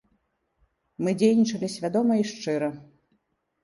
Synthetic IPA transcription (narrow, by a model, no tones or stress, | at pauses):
mɨd͡zʲejnʲit͡ʂɐlʲisʲvʲad̪ɔmɐiʂt͡ʂɨɾɐ